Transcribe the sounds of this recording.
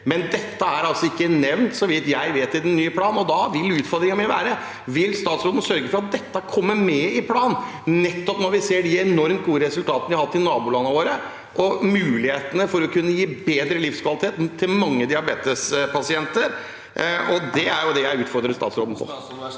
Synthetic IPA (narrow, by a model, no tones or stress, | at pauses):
mɛnd̪ɛt̪ːəæɾɑlsɔɪkːənɛʋnt̪sɔʋɪt̪jæɪʋeːt̪ːɪld̪ɛnnːyːəpʰlɑːnɔd̪ɑʋɪlʉːt̪fɔɾd̪ɾɪŋəmæʋæːɾə | ʋɪlst̪ɑːt̪sɾoːd̪n̩sœɾɡəfɔɾɑt̪̚d̪ɛt̪ːəkʰɔmːəmɛɪpʰlɑːn | nɛt̪ːɔpnɔʋɪseːɖ̪ɪɛnɔɾmt̪̚ɡuːəɾɛsʉlt̪ʰɑːt̪ənəʋɪhɑhɑt̪ːɪnɑːbʊlɑnəʋoːɾə | ʔɔmʉːlɪheːt̪ənəfɔɾɔkʰʉnːəjiːbeːd̪ɾəlɪfskʰʋɑlɪt̪ʰeːt̪t̪ʰːɪlmɑŋːəd̪ɪɑɾbeːt̪əspɑsɪɛnt̪əɾ | ɔd̪ɛæɾjʊd̪ɛjæɪʉːt̪fɔɾd̪ɾəst̪ɑ̰ːt̪sɾo̰ːd̪n̩pʰɔ̰